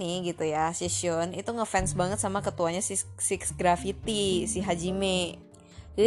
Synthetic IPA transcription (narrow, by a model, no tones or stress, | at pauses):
iɡit̪ujasisiɔnit̪uŋəfɛnsbaŋət̪samakət̪uaɲasisiksɡɾafit̪isiɦad͡ʒimɛ